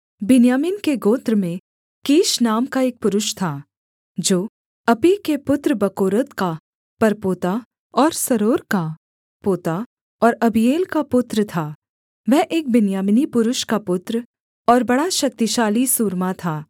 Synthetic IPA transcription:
bɪnjaːmɪnkeɡoːt̪ɾəmẽ | keːʃnaːmkaeːk̚pʊɾʊʃt̪ʰaː | d͡ʒoː | ɐpikepʊt̪ɾəbɐkoːɾət̪ka | pɐɾpoːt̪a | ɔːɾsɐɾoːɾka | poːt̪a | ɔːɾɐbijeːlkapʊt̪ɾət̪ʰaː | ʋɛɦʔeːk̚bɪnjaːmɪnipʊɾʊʃkapʊt̪ɾ | ɔːɾbɐɽaʃɐk̚t̪iʃaːlisuːɾmat̪ʰaː

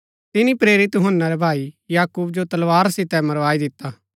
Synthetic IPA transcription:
t̪ɪnĩpɾeːɾɪt̪jʊɦənːaɾɛbʱaːijaːkuːb̚d͡ʒot̪ɐlʋaːɾsɪt̪ɛmɐɾʋaːid̪ɪt̪ːa

